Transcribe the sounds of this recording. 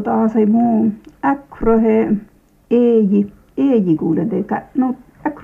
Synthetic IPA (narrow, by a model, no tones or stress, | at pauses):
t̪asajmũakɾoɦe | eji | ejikuled̪ekaʔnũ | ak